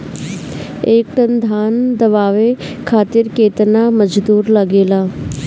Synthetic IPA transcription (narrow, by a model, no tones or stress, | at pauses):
eːk̚ʈ̪ənd̪ʱaːnd̪ɐʋaːʋekʰaːt̪ɪɾkeːt̪naməd͡ʒd̪uːɾlɐɡeːlaː